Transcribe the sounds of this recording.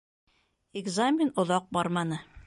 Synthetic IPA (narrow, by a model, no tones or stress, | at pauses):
eɡzamʲɪnŏðɑq̚bɒɾmɑnɤ